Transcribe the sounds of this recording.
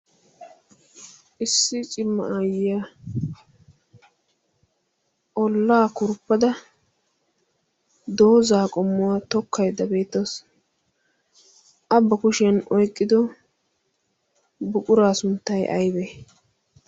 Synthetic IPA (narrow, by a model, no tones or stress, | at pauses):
ʔɪsːɪt͡ʃʼɪmːɐʔaːjɪja | ʔɔlːaːkʊɾpːɐd̪ɐ | d̪oːzaːkʼɔmːʊwat̪ɔkʰːɐjd̪ɐbe̞ːt̪ːos | ʔɐbːɐkʊʃɪɐnɔjkʼːɪd̪ɔ | bʊkʼʊɾaːsʊnt̪ːɐjʔɐ̰jbɛ